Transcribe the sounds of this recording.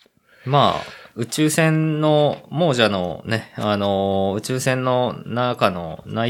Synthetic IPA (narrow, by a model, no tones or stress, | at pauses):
ma̰ːɯ̟t͡ɕɨːsẽ̞nnːo̞mo̞ːʑano̞̰ne̞anoɯ̟t͡ɕɨːsẽ̞nːo̞nakano̞̰na